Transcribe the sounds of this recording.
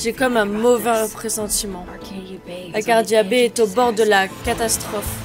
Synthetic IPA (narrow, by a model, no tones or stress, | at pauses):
ʒɛkɔmɛ̃mɔvɛ̃pχesɑ̃t̪imɑ̃ | lakaʁd̪jabeɛt̪obɔʁd̪əlakat̪ast̪χɔf